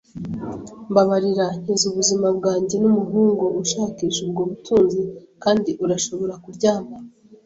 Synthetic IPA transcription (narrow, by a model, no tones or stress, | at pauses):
mbaβaɾiɾan̥ezuβuzimabɡaːɲɟe̞numuɦuːŋɡo̞ʔuʃaːkiːʃub̚ɡoːβutʰuːnzikaːndiʔuɾaʃo̞βo̞ɾakuɾɟaːmba